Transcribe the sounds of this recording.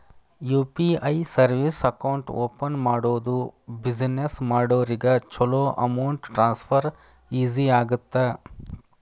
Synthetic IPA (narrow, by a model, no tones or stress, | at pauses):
juːpiɐjsɐɾʋisɐkɐwɳʈoːpɐnmaːɽoːd̪ubid͡ʒnesmaːɽoːɾiɡɐt͡ʃɔloːʔɐmɐwɳʈʈɾaːnspʰɐɾ | iːziaːɡut̪ːe